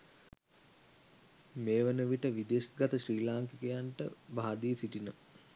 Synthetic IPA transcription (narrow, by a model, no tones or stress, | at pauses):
meːʋənəʋiʈəʋid̪esɡat̪əɕriːlaːŋkikəjaɳʈə̰baːd̪isiʈinə